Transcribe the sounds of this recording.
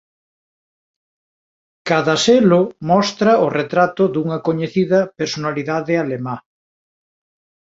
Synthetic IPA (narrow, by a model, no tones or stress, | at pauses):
kaðɐselʊmɔst̪ɾɐʊret̪ɾat̪ʊðuŋɐkoɲeθiðɐpeɾsonaliðaðɪalema